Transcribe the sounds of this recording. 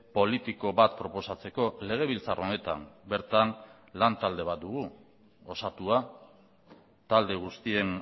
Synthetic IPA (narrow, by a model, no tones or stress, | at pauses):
po̞lit̪iko̞βat̪pɾo̞po̞sat͡se̞ko̞le̞ɣ̞e̞βilt͡saro̞ne̞t̪a̰mbe̞ɾt̪an | lant̪ald̪e̞βat̪̚d̪uɣ̞u | o̞sat̪ua | t̪ald̪e̞ɣ̞ust̪ie̞n